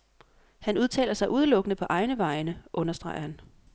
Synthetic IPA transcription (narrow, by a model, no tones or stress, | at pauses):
hænuðˠt͡sʰɛ̰ːlɐsɑ̈ɪʔuð̞ˠəlɔ̽ɡ̥ənəpʰɒ̽ʔɑ̈ɪnəʋɑ̈ɪnəʔɔ̽nɐsd̥ʁɑ̈ɪ̰ɐhæn